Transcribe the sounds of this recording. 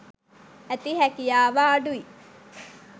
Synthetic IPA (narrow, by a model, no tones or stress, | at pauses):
æt̪iɦækijaːʋaːɖui